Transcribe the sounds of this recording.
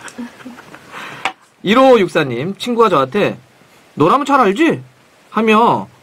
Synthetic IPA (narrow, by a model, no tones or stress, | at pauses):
iɾojuk̚s͈aɲːimt͡ɕʰinɡuɡad͡ʑʌwatʰe̞ | noɾamɯnt͡ɕʰaɾɦaɭd͡ʑi | hamjʌ